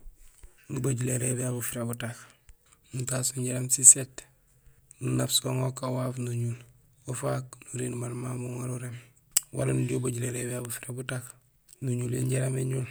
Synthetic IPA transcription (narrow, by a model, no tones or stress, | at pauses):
nubaɟuleɾebeabufiɾebutak | nutasuɲɟiɾamsiset | nunafsoŋokawafnuɲul | ofaknuɾinmalmambuŋaɾuɾem | wa̰lanudiobaɟuleɾebeabufiɾebutak | nuɲuleɲɟeɾameɲul